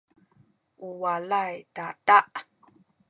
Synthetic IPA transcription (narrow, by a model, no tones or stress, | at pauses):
ʔuwalajtataʔ